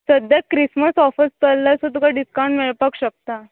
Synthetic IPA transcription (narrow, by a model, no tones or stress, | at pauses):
səd̪jakɾisməsɔfəst̪əllasot̪ukaɖiskawɳʈmeɭpakɕək̚t̪a